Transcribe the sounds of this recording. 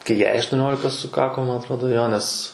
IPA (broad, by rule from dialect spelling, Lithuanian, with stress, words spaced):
kɐɪ ˈjɛɪ ɐʃtʊˈnʲoːlʲɪkɐ sʊˈkɑːkoː ˈmɐn ɐtˈroːdoː ˈjoː nʲɛs